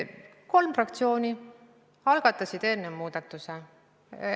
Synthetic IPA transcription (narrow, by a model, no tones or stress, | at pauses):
ko̞lmfrɑkt̪sio̞ːni | ɑlɡ̥ɑt̪ːˑɑsid̪̥e̞nːemuːd̪̥ɑt̪ːˑuse